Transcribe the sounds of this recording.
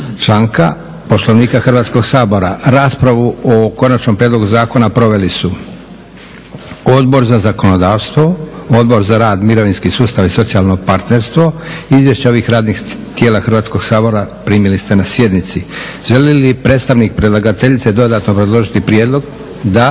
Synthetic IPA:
t͡ʃlaːŋka̰ | poslˠoʋniːkaxrʋaːt̪sko̞ɡsaːbo̞ɾaɾaːspɾaʋuoko̞nat͡ʃnompɾied̪lo̞ɡuzaːko̞napɾo̞ʋe̞lisu | o̞d̪bo̞ɾzazako̞no̞d̪aːʋst̪ʋo̞od̪bo̞ɾzaɾaːd̪miɾo̞ʋinskisuːst̪aʋiso̞t̪sialˠno̞paɾt̪ne̞ɾst̪ʋo̞izʋje̞ʃt͡ɕeo̞ʋixɾaːd̪nix | t̪je̞ːlaxr̩ʋaːt̪sko̞ɡ̥saːbo̞ɾapɾiːmilist̪enasje̞d̪nit̪si | ʒe̞lilipɾeːt̪st̪aʋnik̚pɾidlˠaɡat̪e̞ʎit̪sed̪o̞d̪aːt̪no̞pɾe̞d̪lˠo̞ʒit̪ipɾijed̪lˠo̞ɡ | d̪a

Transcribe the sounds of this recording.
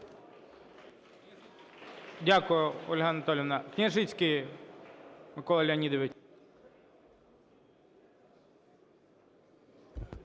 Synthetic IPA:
dʲakʊjʊɔlʲɦanɐt̪ɔlʲɪnɐknʲɪɐʐɪt͡sʲkɪj | mɪkɔlˠɐlʲɐnʲid̪ɔʋɪt͡ʃ

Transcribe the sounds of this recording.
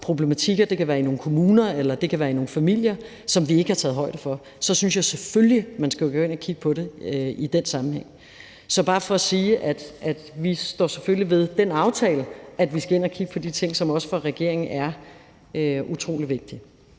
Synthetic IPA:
pʰʁo̝b̥lemæt͡sʰiɡ̥ɐd̥e̝kʰæʋæːɐino̝ːn̩kʰo̝muːnɐelɐd̥e̝kʰæʋæːɐino̝ːn̩fæmil̰jɐ | sɒ̽mʋie̝ɡ̥əhɑ̈t͡sʰɛːð̩ˠɦɒ̽ɪ̰d̥əfɒ̽ | sɒ̽synsjäɪseføljimænsɡ̥æɡ̥ɔːe̝nɐkʰiɡ̥̚pʰɒ̽ɾe̝id̥en̰sɑ̈mn̩heŋ̰ | sɒ̽b̥ɑ̈ːfɒ̽æsiːʔæd̥ʔæd̥ʋisd̥ɒ̰ːseføliʋe̝ð̞ˠd̥enɑ̈ʊt͡sʰɛ̰ːləæd̥ʋisɡ̥æe̝n̰ɐkʰiɡ̥əpʰɒ̽d̥it͡sʰe̝ŋ̰sɒ̽mɒ̽sə̥fɒ̽ʁɛɡ̥e̝ɐ̰e̝ŋn̩ʔæɐ | øʔut͡sʰʁo̝̰ːliʋe̝ɡ̥̚d̥i

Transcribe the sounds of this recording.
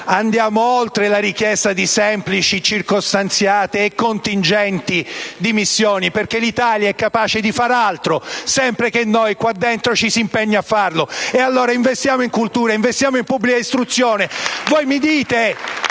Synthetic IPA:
and̪jaːmoolt̪ɾelaɾik̟jɛst̪ad̪isɛmplit͡ʃit͡ʃirkost̪ant̪sjaːt̪eːkːont̪ind͡ʒɛnt̪id̪imisːjoːniperk̟elit̪aːljaɛkːapaːt͡ʃed̪ifaːɾalt̪ɾosɛmpɾek̟enːojkwad̪ːent̪ɾot͡ʃisimpeɲːaafːarloealːoːɾaiɱvest̪jaːmoiŋkult̪uːɾaiɱvest̪jaːmoimpubːlikaist̪ɾut̪sːjoːnevojmid̪iːt̪e

